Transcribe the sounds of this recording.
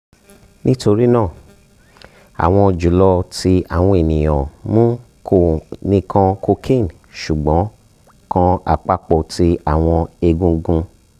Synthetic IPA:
nĩ˦to˧ɾi˦nãː˦˨ | a̰˨w̃ɔ̃˧˨d͡ʒu˨˦lɔ˧ti˧a̰˨w̃ɔ̃˧e˨nĩ˨j̃ɔ̰̃˨mũ˦ | ko˨nĩ˧kʰã˧ko˧kʰĩ˦˨n | ʃu˨ɡ͡bɔ̃˨˦ | kã˧a̰˨k͡pa˦k͡pɔ˧˨tʰi˧a˦˨w̃ɔ̃˧e˧ɡũ˧ɡũ˧

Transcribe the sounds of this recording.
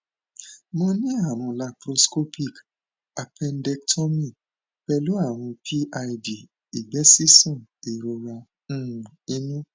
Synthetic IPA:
mɔ̃˧nĩ˦a˦˨w̃ɔ̃˧la˧pɾo˧sko˦pʰi˦˨k | a˨pɛ˧ndɛ˧ktʰɔ˦mĩ˦˨ | pɛ˧lu˦a˦˨w̃ɔ̃˧pʰi˦ʔa˧i˧di˨ | i˨bɛ˨˦si˦sɔ̃˦˨i˨ɾo˧ɾa˧ | ñ̩˦˨ũ˨ĩ˦nũ˦

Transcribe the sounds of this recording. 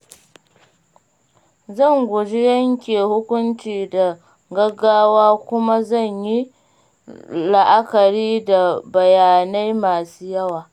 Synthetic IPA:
zɐ˦˨ŋɡʷʊ˨d͡ʒi˦jɐ˦ŋkʲeː˨hʊ˦kʷʊ˦nt͡ʃiː˨da˨ | ɡɐ˦ɡːaː˦waː˦kʷʊ˦ma˦zɐ˦˨ɲji˦ | la˨ʔa˦kɐ˨ɾiː˦da˨bɐ˨jaː˨na˦jmaː˨suː˦jɐ˦waː˨

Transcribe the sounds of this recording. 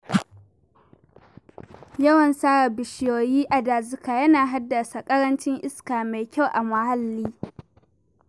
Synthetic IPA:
jɐ˦wɐ˨nsaː˦ɽa˨bɪ˨ʃɪ˦joː˨jiː˦ʔa˨daː˨zʊ˦kaː˨jɐ˦naː˨ɦa˦dːa˨sa˨kʼɐ˦ɽɐ˦nt͡ʃɪ˦ŋʔɪ˦skaː˨ma˨jkʲa˦wʔa˨mɐ˨ha˦lːiː˦

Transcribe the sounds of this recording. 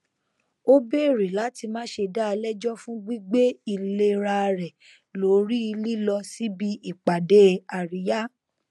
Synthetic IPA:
o˦be˦˨ɾi˨la˨˦ti˧mãː˦ʃe˧da˦˧lɛ˦d͡ʒɔ˦fũ˦ɡ͡bi˦ɡ͡be˦i˦˨le˧ɾa˧ɾɛ˨ | lo˨˦ɾi˦i˧li˦lɔ˧si˨˦bi˦i˦˨k͡pa˨de˨˦a˨ɾi˨˦ja˦

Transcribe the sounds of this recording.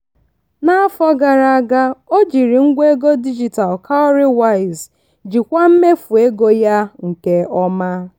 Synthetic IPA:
na˦a˦fɔ˦ɡa˨ɾa˨a˨ɡa˦o˦d͡ʒi˨ɾi˨ŋ̩˦ɡʷe˦ɡo˦di˦d͡ʒi˨ta˨lkʰa˦o˦ɾɪ˦wa˦ɪ˨z | d͡ʒi˨kʷa˦m̩˦me˦fu˨e˦ɡo˦ja˦ŋ̩˨ke˦ɔ˦ma˦

